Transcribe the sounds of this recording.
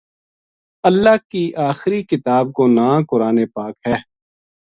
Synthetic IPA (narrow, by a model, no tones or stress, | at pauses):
əlːaːkiʔaːxɾikɪt̪aːb̚konãːkʊɾaːnepaːkɦɛː